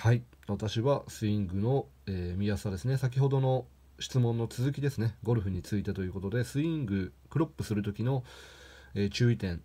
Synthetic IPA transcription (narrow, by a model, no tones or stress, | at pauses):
hai | βat̪aɕiβasɨĩŋɡɯ̟no̞ | eːmʲiasad̪e̞sɨne̞sak̬ʲiɦo̞d̪o̞no̞ | ɕi̥t͡sɨmõ̞nːo̞t͡sɨzɨkʲid̪e̞sɨne̞ɡo̞ɾɯ̟ɸɯ̟ɲ̟it͡sɨit̪et̪o̞jɯ̟ːko̞t̪o̞d̪e̞sɨĩŋɡɯ̟kɯ̟ɾo̞pːɯ̟sɨɾɯ̟t̪o̞kʲino̞ | e̞ːt͡ɕɨːit̪ẽ̞ŋ